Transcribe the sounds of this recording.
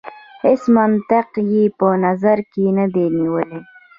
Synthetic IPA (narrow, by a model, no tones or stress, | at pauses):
hesmant̪ɪqjepənazaɾkenad̪eniwəle